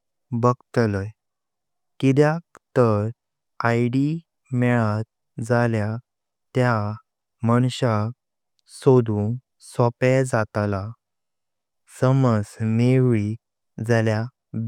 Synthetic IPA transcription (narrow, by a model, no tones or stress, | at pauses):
bəɡt̪ləj | kid̪jakt̪əɾ | ajɖi | mɛɭat̪̚ | d͡zalja | t̪ja | məɳ̃ɕa | sod̪un | sɔpɛd͡zat̪la | səməd͡zmeʋi | d͡zalja